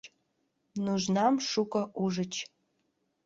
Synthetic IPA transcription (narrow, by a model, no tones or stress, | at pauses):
nuʒnamʂukʷʼɐʔuʒɨt͡ʃʰ